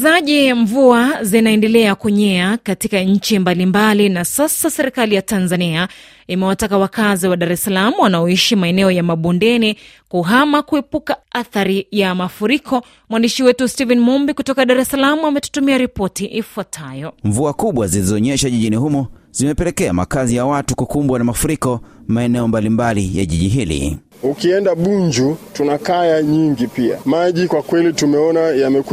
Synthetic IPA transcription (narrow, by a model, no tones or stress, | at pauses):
zaʄiɱvuazinaɛndɛlɛakuɲɛakatikaɲ̩t͡ʃimbalimbalinasasasɛɾikalijatanzania | imɛwatakawakaziwaɗaɾɛsalamuwanaɔiʃimaɛnɛɔjamaɓundɛni | kuɦamakuɛpukaaθaɾijamafuɾikɔ | mwandiʃiwɛtustivɛnimɔmbikutɔkaɗaɾɛsalamuamɛtu̥tumiaɾipɔtiʔifuatʰajɔɱvuakuɓwazilizɔɔɲɛʃaʄiʄinihumɔzimɛpɛlɛkɛama̰kazijawatukukumbwanamafuɾikɔmaɛnɛɔmbalimbalija̰ʄiʄiɦilḭ | ukiɛndaɓuɲd͡ʒutunakajaɲiŋɡipia̰maʄikwakwɛlitumɛɔnajamɛk